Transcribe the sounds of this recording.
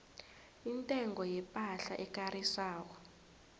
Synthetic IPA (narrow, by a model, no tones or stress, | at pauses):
intʼɛŋɡɔjɛpʼaɬaʔɛk̬ʼarisaːk̬ɔ̥